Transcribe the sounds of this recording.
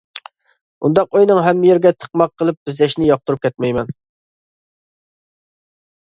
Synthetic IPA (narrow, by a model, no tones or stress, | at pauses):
und̪ɑqojnɨŋɦɛmːɪjeɾɡʲɛt̪ʰə̥qmɑqʰːəlˠɨp̚bɪzlɛʃnɪjɑχ̚t̪uɾup̚kʲʰɛt̪mɛjmɛn